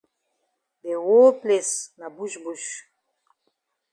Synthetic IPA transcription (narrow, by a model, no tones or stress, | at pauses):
bewoːplesnabuʃbuʃ